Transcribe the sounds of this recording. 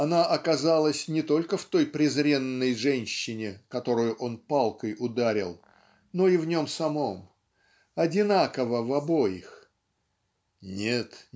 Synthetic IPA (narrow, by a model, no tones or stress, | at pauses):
ɐnaʔɐkɐzalˠəsʲnʲɪt̪o̞lʲkəft̪o̞jpɾʲɪzɾʲe̞nːəjʐɛnʲɕːɪnʲɪkɐt̪o̞ɾʊjʊʔo̞npalˠkəjʔʊd̪aɾʲɪlˠ | no̞ivnʲo̞msɐmo̞m | ɐdʲɪnakəvəvɐbo̞jɪx | nʲet̪